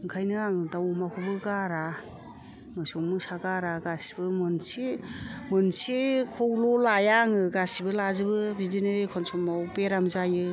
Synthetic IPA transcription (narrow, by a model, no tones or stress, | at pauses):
ɯŋkʰajnɯaŋdawmakʰubɯɡaɾa | mɯsɔŋmɯsaɡaɾaɡasi̥bɯmɯnsimɯnsikʰɔwlɔlajaŋɯɡasibɯlazɯbɯbidinɯekʰɔnsɔŋmawbeɾamzajɯ